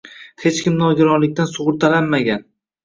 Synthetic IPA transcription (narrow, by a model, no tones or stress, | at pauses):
he̞t͡ʃkʲɪmnɒɡʲɪɾɒnlɪk̚ʲt̪ansʊʁʊɾt̪ʰalanmaɡʲan